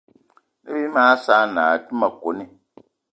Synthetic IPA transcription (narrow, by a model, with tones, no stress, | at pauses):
ne˦bi˦maː˦saː˦naː˨ti˦ma˨ko˨˦ni˨